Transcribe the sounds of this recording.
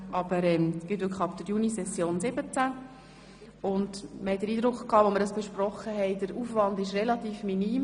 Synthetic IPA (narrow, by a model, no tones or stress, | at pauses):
ʔɑb̥əɾɛmɡ̥ɪt̪ʏkʰχɑbd̪̥əɾjunisɛsjoːnsɪbət͡sæ | ʊndməhɛt̚d̥əɾiːdɾʊkχkʰːɑːʋoməɾdɑsb̥eʃprɔχːəɦɛɪd̥əɾuːfʋɑndɪʃrɛlɑtiːfminiːm